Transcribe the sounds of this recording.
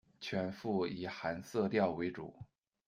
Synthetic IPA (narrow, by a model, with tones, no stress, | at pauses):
t͡ɕʰɥɛ˧˥nfu˥˩i˨˩xa˧˥nsɤ˥˧t̪jɑ˥˩ʊwe˧˥ɪʈ͡ʂṵ˨˩˦